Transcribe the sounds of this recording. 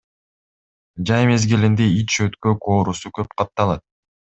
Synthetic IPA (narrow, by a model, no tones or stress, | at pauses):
d͡ʒɑjme̞zɡilind̪eit͡ʃʃøt̪køkoːɾusukøp̚qʰɑt̪ːɑlˠɑt̪̚